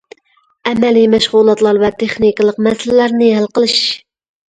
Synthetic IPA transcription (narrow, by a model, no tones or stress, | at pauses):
ɛmɛlimɛʃʁulˠɑt̪lˠɑɾvɛt̪ʰeχnikɨlˠəqmɛsɪllæɾnɪɦælqəlˠɨʃ